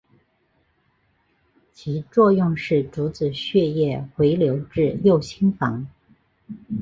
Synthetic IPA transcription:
t͡ɕʰi˧˥t͡swɔ˥˧jʊ˥˧ŋʂɻ̩˥˩ʈ͡ʂu˧˥t͡sɹ̩˨˩ɕɥɛ˥˧jɛ˥˩xwe˧˥ɪljo˧˥ʊʈ͡ʂɻ̩˥˧jo˥˩ʊɕʰi˥ŋfɑ̰˧˥ŋ

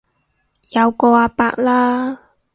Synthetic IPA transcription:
jɐ˨˧wkɔː˧aː˧paː˧k̚laː˥

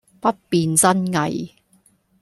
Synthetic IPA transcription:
pɐ˥t̚piː˨˧nt͡sɐ˥nŋɐ̰˨j

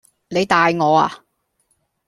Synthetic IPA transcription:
ne˨˧jt̪aː˨˧jŋɔː˨˧a̰ː˨

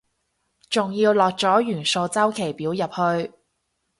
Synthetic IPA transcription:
t͡sʊ˨ŋjiː˧wlɔː˨k̚t͡sɔː˨˥jyː˨˩nso˧wt͡sɐ˥wkʰe˨˩jpiː˨˥wjɐ˨p̚hɵ˧ɥ

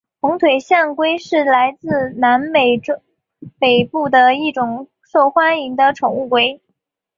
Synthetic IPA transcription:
xʊ˧˥ŋt̪ʰwe˨˩ɪɕja˥˩ŋkwe˥ɪʂɻ̩˥˩la˧˥ɪt͡sɹ̩˥˧na˧˥npe˨˩ɪʈ͡ʂ | pe˨˩ɪpu˥˩d̪ə˩i˥˩ʈ͡ʂʊ˨˩ŋ | ʂo˥˩ʊxwa˥ni˧˥ŋd̪ə˧ʈ͡ʂʰʊ˨˩ŋu˥˩kwe˥ɪ

